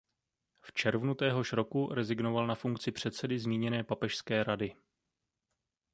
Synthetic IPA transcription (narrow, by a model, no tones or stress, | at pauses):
ft͡ʃɛɾvnut̪ɛːɦo̞ʃɾo̞kuɾɛzɪɡno̞valnafuŋkt͡sɪpr̥ɛt̪sɛdɪzmiːɲɛnɛːpapɛʃskɛːɾadɪ